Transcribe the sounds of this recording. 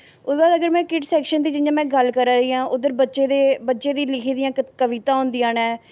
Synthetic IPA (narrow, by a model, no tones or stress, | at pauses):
ʊsbaːd̪əɡəɾmɛ̃ːkɪʈsɛːkʃənd̪iːd͡ʒɪjãːmɛ̃ːɡəlkəɾaːɾəiːãːʔʊd̪əɾbəːʃeːd̪eːbətːʃeːd̪iːlɪkʰiːd̪ɪjãːkəʋɪt̪ãːʊ̃nd̪ijãːnɛː